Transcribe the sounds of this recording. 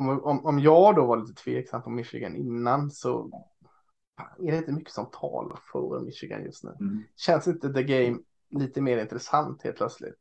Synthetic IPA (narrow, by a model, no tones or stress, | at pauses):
ɔmʔɔmɔmjɑːɡd̪ovaɾɭiːt̪ət̪ʰveːɛksampʰɔmɪʂɪ̰ɡanɪnːansɔ̰ | aɛdɖɛɪnt̪əmʏkːə̥sɔmt̪ʰɑ̰ːla̰ɾfœɾmɪʃɪɡa̰njɵ̰st̪nʉ̟ːɕɛnsɪnt̪əd̪əɡɛjm | liːt̪əmeːɾɪnt̪ɾɛsant̪hḛːlt̪̚ʰlœt̪slɪ̰t̪